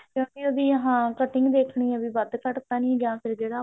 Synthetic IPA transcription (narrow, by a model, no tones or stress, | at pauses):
kjõːkɪoːd̪iːəɦãːkəʈɪ̃ŋɡd̪eːkʰɳiːɛ̃ːbiːbəd̪kəʈt̪aːnĩːɡãːpʰɪɾd͡ʒeːɽaː